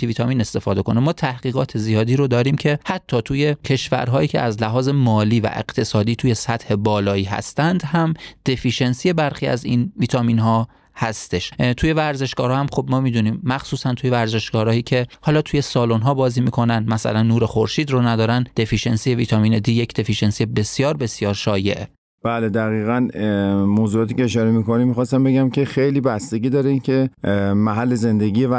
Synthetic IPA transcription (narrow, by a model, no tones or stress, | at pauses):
viːt̪ʰɒːmiːne̞st̪e̞fɒːd̪e̞ko̞nemɒːt̪ʰæhɡiːɣɒːt̪ʰezijɒːd̪iːɾod̪ɒːɾiːmcʰe̞hæt̪ʰːɒːt̪ʰuːje̞cʰe̞ʃvæ̰ɾɦɒːiːcʰeæzlæɦɒːze̞mɒːliːvæ̰ʔe̞̰ɢ̥t̪ʰe̞sɒːd̪iːt̪ʰuːje̞sæt̪he̞bɒːlɒːiːɦæ̰st̪ænd̪hæmd̪̥e̞fiʃe̞nsije̞bæɾxiːæ̰zinviːt̪ʰɒmiːnɦɒː | hæst̪e̞ʃt̪ʰuːje̞væɾze̞ʃɡɒːɾɒːhæmxob̚mɒːmiːd̪uniːmːæxsuːsænt̪ʰuːjevæɾze̞ʃɡɒːɾɒːiːcʰe̞hɒːlɒːt̪ʰuːje̞sɒːlonɦɒːbɒːziːmiːkʰo̞nænmæsæ̰lænːuːɾe̞xoɾʃiːd̪ronæd̪ɒːɾænd̪̥e̞fiʃe̞nsije̞viːt̪ʰɒmiːned̪iːjecʰd̪e̞fiʃensijebe̞sjɒːɾbe̞sjɒːɾʃɒːje̞̰ʔe | b̥æːled̪æɣiːɣænmoːzuɒːt̪iːcʲeːʃɒːɾemikonimːixɒːst̪æmbe̞ɡæmcʰexejliːbæst̪e̞ɡʲiːd̪ɒːɾeincʰemæɦælːe̞ze̞nd̪e̞ɟiː